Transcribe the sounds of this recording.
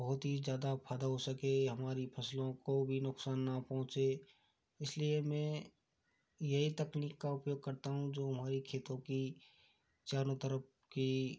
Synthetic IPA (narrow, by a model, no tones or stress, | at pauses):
bɐɦʊt̪ɦizjaːd̪apʰaːd̪aɦosəkeɦɐmaːɾipʰɐslõkobʱinʊksaːnːapɔ̃ɦʊ̃t͡ʃe | ɪsliemɛ̃ː | jɐɦit̪ɐkniːkːaʊpjoːɡ̚kɐɾt̪aɦũd͡ʒoːɦɐmaːɾikʰeːt̪õki | t͡ʃaːnot̪əɾəp̚ | ki